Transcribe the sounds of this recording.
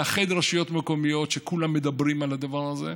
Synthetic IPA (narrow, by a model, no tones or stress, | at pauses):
aχed̪ʁaʃijo̞t̪meko̞mijo̞t̪ʃekulamːed̪abʁimalad̪avaʁazḛ